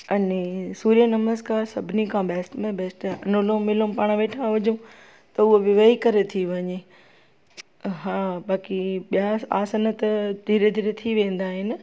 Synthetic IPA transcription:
ɐnesuːɾijənɐməzkaːɾsɐbʱɪnikʰãbɛːsʈmẽbɛːsʈɐnolõmɪlõpaːɽ̃ʋeːʈʰãʋɐd͡ʑũ | t̪ɐʊɦobɪʋəikɐɾet̪ʰiʋɐɲe | ɦãːbaːkiɓijaa̰ːsənət̪ɐd̪ʱiːɾed̪ʱiːɾet̪ʰiʋẽːn̆d̪aːɦɪnɪ̆

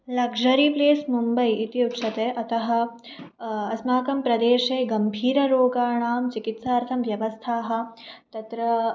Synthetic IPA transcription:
lɐɡʂɐɾipleːsmumbɐjit̪iut̪ʃʰɐt̪eːʔɐt̪ɐɦɐ̆ | ɐsmaːkɐmpɾɐd̪eːʂeːɡɐmbʱiːɾɐɾoːɡaːɳaːmt͡ʃikit̪saːɾt̪ʰɐmʋjɐʋɐst̪ʰaːɦɐ̆t̪ɐt̪ɾɐ

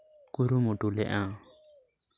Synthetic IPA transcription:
kuɾumuʈulɛ̰ʔã

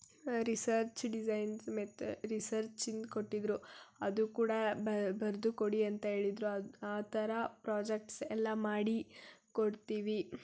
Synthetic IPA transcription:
ɾisɐɾt͡ʃɖid͡ʒɐjnsmet̪ɾisɐɾt͡ʃind̪ko̞ʈːid̪ɾuɐd̪ukuːɽɐbɐɾd̪ukoɽiɐnt̪ɐɦe̞ːɭid̪ɾuɐaːt̪ɐɾɐpɾaːd͡ʒek̚ʈsɛlːɐmaːɽikoɽt̪iːʋi

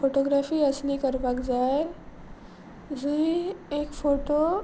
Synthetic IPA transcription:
foʈoɡɾafiːəsnikəɾpakd͡zaj | d͡zuiekfoʈo

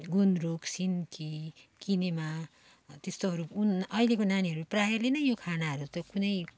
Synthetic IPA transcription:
ɡunruksinkikinema | t̪est̪oɦʌɾuunʌilekonaniɦʌɾuprajelenʌjokʰanaɦʌɾut̪ʌkunʌj

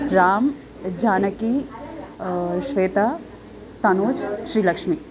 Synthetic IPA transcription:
ɾaːm | d͡ʒaːnəki | ʃʋeːt̪a | t̪ɐnoːd͡ʒʃɾiːləkʂmi

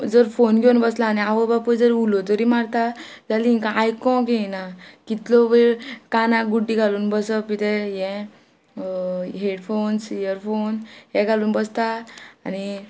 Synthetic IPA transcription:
d͡zəɾfonɡʱewnbəslaːniaʋəbapəd͡zəɾulɔt̪əɾimaɽt̪a | d͡zaliĩkaajkɔ̃ɡenakit̪lɔʋekanãɡuɖːiɡʱaluːnbəsəpit̪ɛjɛ̃ | ɦeɽfonsijəɾfonɦɛ̃ɡʱaluːnbəst̪aːni

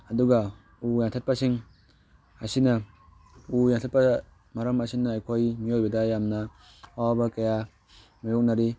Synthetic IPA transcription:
ɐduɡa | ujaŋtʰat̚pasiŋ | asinɐ | ujaŋtʰat̚pa | maɾɐmasinaːjkʰojmiojbɐdajamnɐ | awabɐkaja | majok̚naɾi

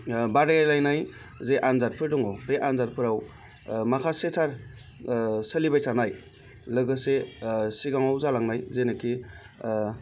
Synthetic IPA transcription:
baɾajajlajnaj | zeʔanzat̚pʰɯɾdɔŋɔbeʔanzat̚pʰɯɾaw | makʰasetʰaɾ | səlibajtʰanaj | lɯɡɯsesiɡaŋawzalaŋnajzenɯkʰi

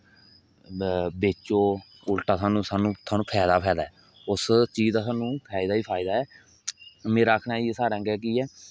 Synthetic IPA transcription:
beːt͡ʃoː | ʊlʈaːsaːnũːsaːnũːt̪ʰaːnũːpʰɛːd̪aːpʰɛːd̪aːɛː | ʊst͡ʃiːaːsaːnũːpʰaːɪd̪aːiːpʰaːɪd̪aːɛː | mẽːɾaːkʰnaːiːsaːɾɛ̃ːɡɛːk̬iːɛː

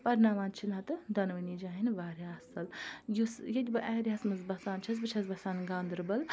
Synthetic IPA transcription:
pɐɾnaːʋaːnt͡ʃʰinat̪ɨd̪ɐnʋɐniːd͡ʒaːɦinʋaːɾjaːsɐljusjɐdʲibɨʔɛːɾʲaːsmɨzbɐsaːnt͡ʃʰɐs̬bɨt͡ʃʰɐs̬bɐsaːnɡaːnd̪ɾɨbɐl

